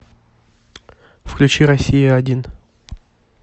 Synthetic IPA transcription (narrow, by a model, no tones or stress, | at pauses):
fklʲʉt͡ɕiɾɐsʲːijɪɐdʲin